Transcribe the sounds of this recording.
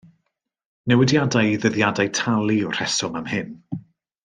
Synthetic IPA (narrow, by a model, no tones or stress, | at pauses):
nɛwɪdjadajðəðjadajtʰalˠiɔr̥ɛsɔmamhɨɪn